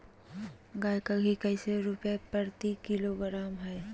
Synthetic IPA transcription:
ɡaːjkaɡʱikɛɪseɾʊpjepəɾt̪ikɪloɡɾaːmɦɛː

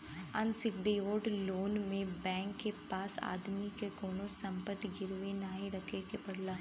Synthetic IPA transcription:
ɐnsɪkɖioːɖloːnmẽbɛ̃ːŋkːepaːsa̰ːd̪mikekoːnosɐ̃mpət̪ɡɪɾʋenaːɦĩɾɐkʰekepɐɽlaː

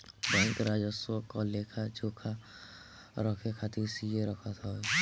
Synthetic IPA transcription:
bɔŋkɾad͡ʒɔswɔkːɔlekʰad͡ʒokʰa | ɾɔkʰekʰat̪isieɾɔkʰat̪ʰɔj

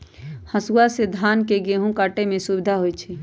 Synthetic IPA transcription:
həsuased̪ʱaːnkeɡeɦũkaʈemẽsubɪd̪ʱaɦojt͡ʃʰɛ

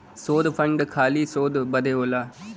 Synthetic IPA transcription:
soːd̪pʰɐ̃ɳɖkʰaːlisoːd̪bɐd̪ʱeːoːlaː

